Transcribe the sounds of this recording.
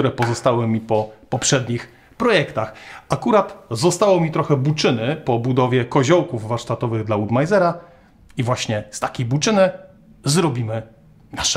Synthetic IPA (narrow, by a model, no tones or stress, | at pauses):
uɾɛpɔzɔst̪awɘmʲipɔpɔpʂɛd̪ɲix | pɾɔjɛkt̪axakuɾat̪zɔst̪awɔmʲit̪ɾɔxɛbut͡ʂɘnɘpɔbud̪ɔvʲjɛkɔʑɔwkuvvaɾʂt̪at̪ɔvɘɣd̪laud̪majzɛɾa | ivwaɕɲɛst̪akʲejbut͡ʂɘnɘ | zɾɔbʲimɘ | naʂɛ